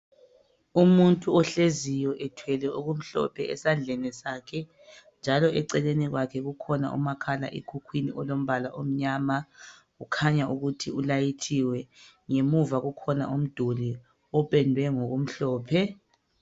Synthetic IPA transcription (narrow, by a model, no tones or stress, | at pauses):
umuntʼuɔɬezijɔʔɛtʰwɛlɛʔuɣum̩ɬɔ̰pʰɛʔɛsand͡ɮʱɛnɛsaːkʰɛ | nd͡ʒʱalɔʔɛǀɛleniɣwakʰɛɣukʰɔna̰ʔṵmakʰala̰ʔekʰukʰwiniʔɔlom̩βalaʔom̩ɲaːmaɣukʰaɲauɣutʰiulajitʰiwɛ | ŋemuvaɣukʰɔna̰ʔum̩d̥ʱoli | ɔpɛndʱwɛŋoɣum̩ɬɔːpʰɛ